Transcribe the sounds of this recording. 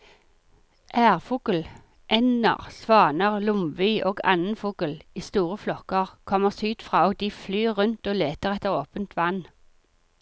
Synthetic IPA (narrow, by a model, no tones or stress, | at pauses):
ʔæːʁfuːkəl̩ | ʔɛnə̰ʁsʋɑːnəʁlʊmʋyːʔoːɡɑ̰nən̩fuːkəliːst̪uːʁəflɔkəʁkʰɔməʁsyːt̪fʁɑːoːɡ̚d̪iːflyːʁʉnt̪oːleːt̪əʁɛt̪əʁoːpənt̪ʰʋɑn